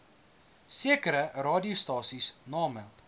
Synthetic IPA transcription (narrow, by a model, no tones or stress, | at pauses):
siəkəɾərɑːdiustɑːsisnɑːmə